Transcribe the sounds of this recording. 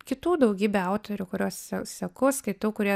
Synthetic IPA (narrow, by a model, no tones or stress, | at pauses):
kʲɪt̪uːd̪ɐʊɡʲiːbʲɛɐʊt̪oːɾʲʊkʊɾʲuɔssʲɛsʲɛkʊskɐɪt̪uːkʊɾʲiɛ